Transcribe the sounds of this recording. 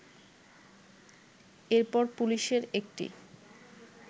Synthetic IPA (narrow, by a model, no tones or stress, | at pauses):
eɾpɔɾpuliʃeɾek̚ʈḭ